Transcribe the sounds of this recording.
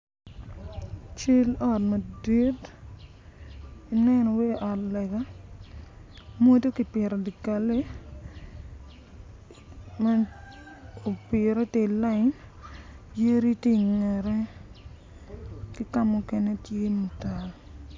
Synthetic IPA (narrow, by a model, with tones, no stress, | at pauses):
t͡ʃi˦lɔ˦t̚ma˨di˦t | i˨nɛ˦nɔ˨we˦ʔɔ˨tlɛ˨ɡa˦ | mo˦to˦ki˨pjɛ˨ɾɔ˨di˨ka˨le˦ | ma˦ | o˨pi˨ɾe˦te˦la˦n | je˦ɾi˦ti˦˨ŋɛ˨ɾɛ˦ | ki˦ka˦mʊ˦kɛ˨ne˦tje˦mu˨ta˨